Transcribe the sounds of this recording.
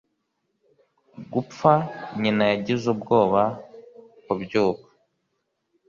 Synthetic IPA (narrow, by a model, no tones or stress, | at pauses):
ɡup͡faɲinajaɟizubɡo̞ːβa | kubɟuːβḁ